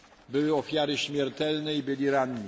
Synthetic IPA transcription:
bɘwɘɔfʲjaɾɘɕmʲjɛɾt̪ɛlnɛibɘlʲiɾaɲɲi

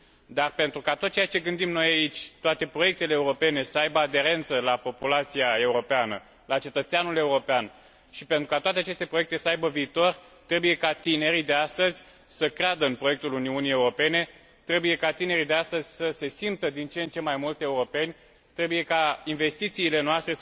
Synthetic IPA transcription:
d̪arpe̞nt̪ɾukat̪ot̪̚t͡ʃejat͡ʃe̞ɡɨnd̪imno̞jait͡ʃʲt̪oat̪e̞pɾoje̞k̚t̪e̞leːuɾo̞pe̞ne̞səajbəad̪e̞ɾe̞nt̪səlapo̞pulat̪sijae̞uɾo̞peanə̰ | lat͡ʃe̞t̪ət̪seanule̞uɾo̞pean | ʃipent̪ɾukat̪oat̪eat͡ʃe̞st̪e̞pɾo̞jekt̪e̞səajbəviːt̪o̞r | t̪ɾe̞buje̞kat̪ine̞ɾid̪e̞ast̪əzʲ | səkɾead̪əɨnpɾo̞je̞k̚t̪uluniunije̞uɾo̞pe̞ne̞ | t̪ɾe̞buje̞kat̪ine̞ɾid̪e̞ast̪əzʲsəse̞simp̚t̪əd̪int͡ʃeent͡ʃe̞majmult̪e̞uɾo̞pe̞nʲ | t̪ɾe̞buje̞kainve̞st̪it̪siːle̞noast̪ɾe̞

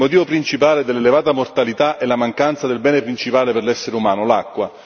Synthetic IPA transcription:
mot̪̬iːvopɾint͡ʃipaːled̪elːelevaːt̪amort̪alit̪aʔɛlamaŋkant̪sad̪elbɛːnepɾint͡ʃipaːleperlɛsːeɾeumaːnolakːwa

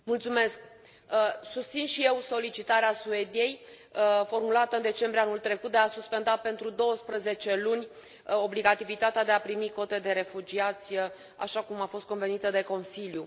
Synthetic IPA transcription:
mult̪sume̞sk̚ | sust̪sinʃije̞wso̞lit͡ʃit̪aɾeasue̞d̪ije̞j | fo̞rmulat̪əɨnd̪e̞t͡ʃe̞mbɾianult̪ɾe̞kut̪̚d̪easuspe̞nd̪ape̞nt̪ɾud̪o̞wəspɾəze̞t͡ʃe̞lunʲ | o̞bliɡat̪ivit̪at̪ead̪e̞apɾimiko̞t̪e̞d̪e̞ɾe̞fud͡ʒiat̪sʲ | a̰ʃakumafo̞st̪̚ko̞nve̞nit̪əd̪e̞ko̞nsilju

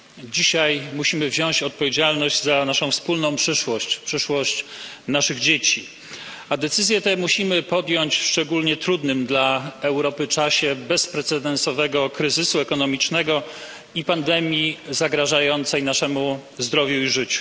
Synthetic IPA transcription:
d͡ʑiɕajmuɕimɘvʑɔw̃t͡ɕɔt̪̚pɔvʲjed͡ʑalnɔʑd͡ʑzanaʂɔ̃w̃fspulnɔ̃w̃pʂɘʂwɔɕt͡ɕpʂɘʂwɔɕt͡ɕ | naʂɘɣd͡ʑet͡ɕi | ad̪ɛt̪sɘzʲjɛt̪ɛmuɕimɘpɔd̪jɔɲt͡ɕfʂt͡ʂɛɡulɲɛt̪ɾud̪nɘmd̪laɛwɾɔpɘt͡ʂaɕɛbɛspɾɛt̪sɛd̪ɛnsɔvɛɡɔkɾɘzɘsuɛkɔnɔmʲit͡ʂnɛɡɔ | ipand̪ɛmʲjizaɡɾaʐajɔnt̪sɛjnaʂɛmuzd̪ɾɔvʲjuiʐɘt͡ɕu̥

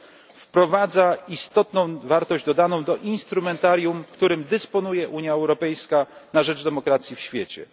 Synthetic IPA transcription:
fpɾɔvad̪zaist̪ɔt̪nɔ̃w̃vaɾt̪ɔʑd͡ʑd̪ɔd̪anɔ̃w̃d̪ɔʔinst̪ɾumɛnt̪aɾʲjumkt̪uɾɘmd̪ɛspɔnujɛʔuɲjaɛwɾɔpɛjskanaʐɛd͡ʐd̪ɛmɔkɾat̪sʲjifɕfʲjet͡ɕɛ̰

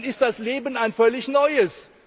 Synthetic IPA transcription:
nɪst̚d̥asleːbənaɪnfœlɪçnɔʏəs

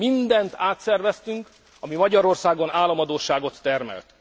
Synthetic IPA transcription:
mind̪ɛnt̪aːt̪sɛrvɛst̪yŋk | ɒmimɒɟɒɾo̞rsaːɡonaːlːɒmɒd̪oːʃaːɡo̞t̪ːɛrmɛ̰lt̪

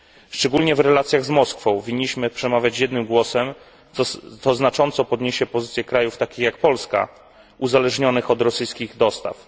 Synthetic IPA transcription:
ʂt͡ʂɛɡulɲɛvɾɛlat̪sʲjaɣzmɔskfɔ̃w̃vʲiɲːiɕmɘpʂɛmavʲjat͡ɕjɛd̪nɘmɡwɔsɛm | sɔznat͡ʂɔnt̪sɔpɔd̪ɲeɕɛpɔzɘt̪sʲjɛkɾajuft̪akʲixjak̚pɔlska̰ | uzalɛʐɲɔnɘxɔd̪ɾɔsɘjskʲiɣd̪ɔst̪a̰f

